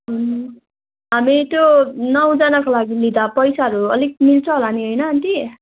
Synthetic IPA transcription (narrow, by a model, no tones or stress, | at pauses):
ɦunu | ɦamit̪jonʌw̃d͡zʌnakolaɡilid̪apʌjsaɦʌɾuʌ̰lik̚milt͡sʰoɦolaniɦʌjnʌnt̪i